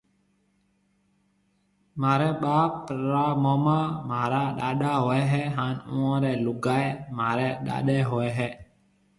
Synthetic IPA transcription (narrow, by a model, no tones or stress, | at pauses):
maːɾɛːɓaːpːɾaːmoːmaːmaːɾaːɗaːɗaːɦoːɛːɦɛːɦãːnũːõːɾɛːlʊɡaːemaːɾɛːɗa̰ːɗeːɦoːɛɦɛː